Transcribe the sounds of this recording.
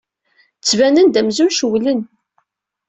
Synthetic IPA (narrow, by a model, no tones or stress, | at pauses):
t͡sːvænənd̪æmzumʃwlən